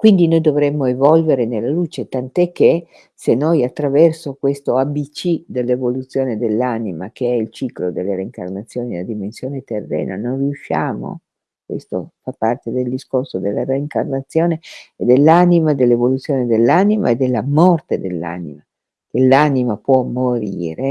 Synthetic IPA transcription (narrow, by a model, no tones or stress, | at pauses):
kwind̪inojd̪ovɾɛmːoevɔlveɾenelːaluːt͡ʃet̪ant̪oɛkːe | senojat̪ːɾavɛrsokwest̪oabit͡ʃid̪elːevolut̪sːjoːned̪elːanima̰keɛilt͡ʃiklod̪elːeɾeiŋka̰rnat̪sːjoːnielad̪imensjoːnet̪erːɛ̰ːna̰nojriuʃːa̰ːmo̰ | kwḛst̪o̰fapːart̪ed̪eld̪iskorsod̪elːareiŋkarnat̪sːjoːneed̪elːanimad̪elːevolut̪sːjoːned̪elːanima̰ed̪elːamɔrt̪ed̪elːa̰nḭma | kelːanimapwɔmːoɾḭːɾe